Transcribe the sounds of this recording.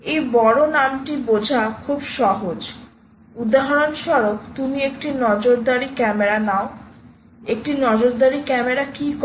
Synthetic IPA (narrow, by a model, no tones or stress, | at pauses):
ejbɔɽonamʈibod͡ʑʱakʰubʃɔɦod͡ʑ | ud̪aɦaɾonʃɔɾokt̪umiekʈinɔd͡ʑoɾd̪aɾikɛmeɾanao | ek̚ʈinɔd͡ʑoɾd̪aɾikɛmeɾakik